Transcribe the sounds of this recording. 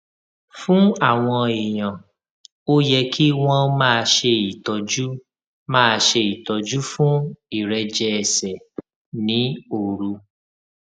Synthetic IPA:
fũ˦a˦˨w̃ɔ̃˧i˨j̃ã˨ | o˦jɛ˧kʰi˦w̃ɔ̃˦˧mã˦˧ʃe˧i˨tɔ˨d͡ʒu˦ | mãː˦˧ʃe˧i˨tɔ˨d͡ʒu˦fũ˦i˦˨ɾɛ˧d͡ʒɛ˧ɛ˨sɛ˨ | nĩ˨˦o˨ɾu˧

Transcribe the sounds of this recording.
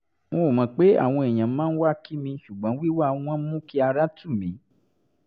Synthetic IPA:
mõ˧˨mã˨˦k͡pe˦a̰˦˨w̃ɔ̃˧e˨j̃ã˨˦mãː˦n̩˦wa˦ki˦mĩ˧ʃu˨ɡ͡bɔ̃˨˦wi˦wã˦˨˦ã˦mũ˦ki˦a˧ɾa˦tʰũ˦˨mĩ˨˦

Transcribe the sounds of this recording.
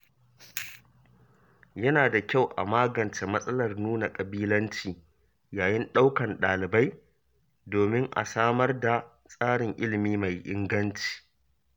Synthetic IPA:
jɐ˦naː˨da˨kʲa˦˨wʔa̰˨maː˦ɡɐ˨nt͡ʃe˨mɐ˦sʼɐ˦lɐ˨rnuː˦na˨kʼɐ˨biː˦lɐ˦nt͡ʃiː˨ | jaː˨jɪ˦nɗa˦wkɐ˨nɗaː˨lɪ˨ba˦j | doː˨mɪ˦ŋʔa̰˨saː˦mɐ˦rda˨ | sʼaː˦ɽɪ˨ŋʔɪ˦lɪ˨miː˦ma˨jʔɪ̰˦ŋɡɐ˦nt͡ʃi̥ː˨

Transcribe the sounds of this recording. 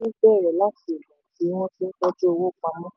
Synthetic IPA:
i˦bɛː˦˨ɾɛ˨la˦ti˦i˨lɔ̃˨˦˨ti˨˦mo˦ti˧n̩˦k͡pɔ˦d͡ʒo˦o˧wo˦˨k͡pã˧mɔ̃˦

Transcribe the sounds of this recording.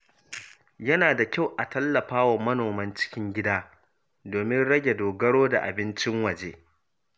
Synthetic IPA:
jɐ˦naː˨da˨kʲa˦˨wʔa˨tɐ˦lːɐ˨ɸaː˦wa˨mɐ˦noː˨mɐ˦nt͡ʃɪ̥˦kʲɪ˦ŋɡʲɪ˦daː˦ | doː˨mɪ˦nɽɐ˦ɡʲe˨doː˨ɡɐ˦ɽoː˦da˨ʔa̰˨bɪ˦nt͡ʃɪ˦ŋwɐ˨d͡ʒeː˦

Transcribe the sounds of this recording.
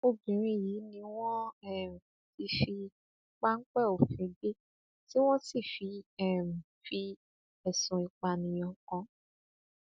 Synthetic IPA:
o˧bĩ˨ɾ̃ĩ˧˦jiː˨˦nĩ˧w̃ɔ̃˦ɛ˦˨m̩˨ | ti˨˦fi˧ | k͡pa˦ŋ̩˦k͡pɛ˦˨o˨fĩ˨˦be˦ | ti˦w̃ɔ̃˦si˦˨fi˧ɛ˦˨m̩˨fi˧ | ɛ˨sũ˨i˨k͡pa˨nĩ˨j̃ɔ̃˧˨kɔ̃˧

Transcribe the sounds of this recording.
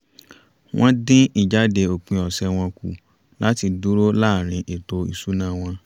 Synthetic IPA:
w̃ʔɔ̃˦dĩ˦i˨d͡ʒa˨˦de˧o˨k͡pĩ˧ɔ˨sɛ˧w̃ɔ̃˧ku˨ | lʔa˦ti˧du˦ɾo˦laː˦˨ɾ̃ĩ˧ʔe˨to˨ḭ˨su˨˦nã˦˨w̃ɔ̃˧

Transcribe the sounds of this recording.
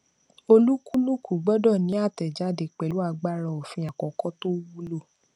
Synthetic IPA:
o˧lu˦ku˦lu˦kʰu˨ɡ͡bɔ˦dɔ˦˨nĩ˨˦a˦˨tɛ˨d͡ʒa˨˦de˧k͡pɛ˨lu˦a˧ɡ͡ba˦ɾɔ˧o˨fĩ˧a˨kɔ˨kɔ˦to˦wu˦lo˦˨

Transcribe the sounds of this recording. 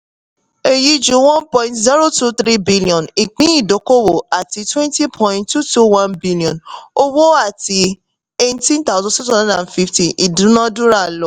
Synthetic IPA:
e˨ji˧d͡ʒũ˨˦wɔ̃˦npɔ̃˧ĩntzi˦ɾo˦tu˦θɾi˦bi˦li˨ɔ̃˨ni˨k͡pĩ˨˦i˦˨do˨˦ko˦wo˨a˨ti˧˦twɛ̃˦nti˦pʰɔ̃˧ĩnttːu˦tu˦wã˦nbi˦li˨ɔ̃˨no˦wo˦a˦˨ti˧ | e˦tĩ˦nt̪a˦ʊ˦zɔ̃˦sɛ˦tsu˦hã˦a˨nfi˦fti˨ʔi˨dũ˨˦nã˦dũ˦ɾa˦˨lɔ˨˦

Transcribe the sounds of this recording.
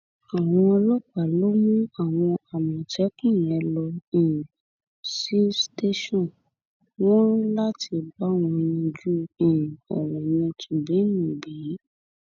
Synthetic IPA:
a˨w̃ɔ̃˧ɔ˧lɔ˦k͡pa˦˨lo˦mũ˦a˨w̃ɔ̃˧a˨mĩ˨tɛ˨˦kĩ˦˨jɛ̃˨˧lɔ˧ĩ˨ | si˦ste˦ʃɔ̃˦˨ | w̃ɔ̃˦la˦ti˧ba˦w̃ɔ̃˧jĩ˧d͡ʒu˦ĩ˨ɔ˨ɾɔ̃˨j̃ĩ˧tu˨bi˨˦nĩ˨bi˨˦

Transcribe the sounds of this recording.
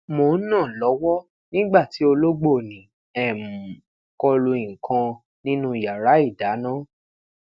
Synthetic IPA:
mo˨˦nã˦˨lɔ˨˦wɔ˦ | nĩ˦ɡ͡ba˦˨ti˨˦o˧lo˦ɡ͡bo˦˨nĩ˨ | ɛ˨mu˨ | kɔ˧lu˧ĩ˨kʰã˧ | nĩ˦nũ˦˨ja˨ɾa˨˦i˦˨da˨˦nã˦

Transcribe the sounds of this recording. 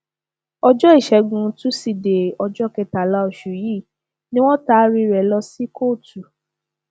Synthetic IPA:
ɔ˧d͡ʒɔ˦i˦˨ʃɛ˨˧ɡũ˧˦tũ˦si˨de˨ɔ˧d͡ʒɔ˦kɛ˧ta˨la˦o˨ʃu˨jiː˦˨ | nĩ˦w̃ɔ̃˦ta˦ɾi˧ɾɛ˨lɔ˧si˦ko˦˨tu˨

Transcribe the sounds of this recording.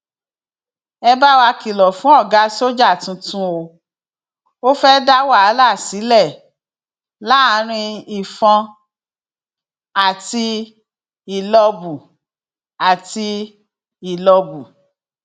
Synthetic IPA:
ɛ˧ba˦wa˧ki˨lɔ˨fũ˨˦ɔ˦˨ɡa˨˦so˦d͡ʒa˦˨tũ˧tũ˦o˧ | o˦fɛ˦da˦wa˦˨a˨˦la˦˨si˨˦lɛ˦˨ | la˦˧ɾ̃ĩ˧i˨fɔ̃˧ | a˨ti˧ | i˨lɔ˧bu˨ | a˨ti˧ | i˨lɔ˧bu˨

